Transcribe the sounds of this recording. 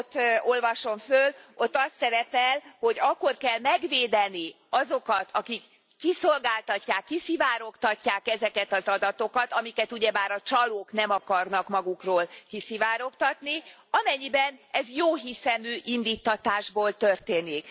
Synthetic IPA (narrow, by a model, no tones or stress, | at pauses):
ot̪ːo̞lvɒʃo̞mfølo̞t̪ːɒst̪sɛɾɛpɛlho̞ɟɒkːo̞rkɛlmɛɡveːd̪ɛni | ɒzo̞kɒt̪ʰɒkikː | isolɡaːlt̪ɒcːaːkːisivaːɾo̞kt̪ɒcːaːkɛzɛkɛt̪ɒzɒd̪ɒt̪o̞kɒt̪ɒmikɛt̪uɟɛbaːɾɒt͡ʃɒloːknɛmɒkɒrnɒkmɒɡukroːlkisivaːɾo̞kt̪ɒt̪ni | ɒmɛɲːibɛnɛzjoːɦisɛmøːʔind̪iːt̪ːɒt̪aːʒboːlt̪ørt̪eːnik